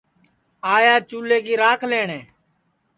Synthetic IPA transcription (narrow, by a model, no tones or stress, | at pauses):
aːjaːt͡ʃuːleːkiːɾaːkʰleːɳeː